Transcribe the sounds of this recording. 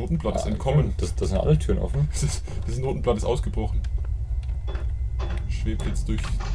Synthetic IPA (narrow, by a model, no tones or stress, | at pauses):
oːtn̩pl̥attɪstɛ̰tkʰɔmmənd̥asd̥aːzɪntʔa̰lətʰyːɐʁənʔɔ̰fn̩sɪsd̥iːzəsnoːtn̩platɪstʔa̰ʊsɡ̥əbʁɔχn̩ | ʃv̥eːptjɛt͡std̥ʊɐç